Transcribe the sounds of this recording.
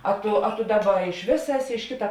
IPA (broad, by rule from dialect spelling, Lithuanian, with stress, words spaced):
ˈɐ ˈtʊ ɐ tʊ ˈdɑːˌbɐ ɪʃ ˈʋʲeːsɐ ˈæːˌsʲɪ ɪʃ ˈkʲɪtɐ